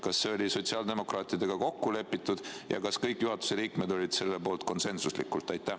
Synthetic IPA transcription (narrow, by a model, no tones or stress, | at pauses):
kɑsːeo̞lʲiso̞t̪ʲsiɑːld̪̥e̞mo̞krɑːt̪ʲid̪eɡ̥ɑko̞kːule̞pːit̪ːˑud̪̥jɑ̰kɑskɤjkːˑjuɦɑt̪u̥se̞liːkme̞d̪o̞lʲid̪̥se̞lːe̞po̞ːlt̪ko̞nse̞nsuslḭkːˑult̪ˑːɑjt̪ːˑæ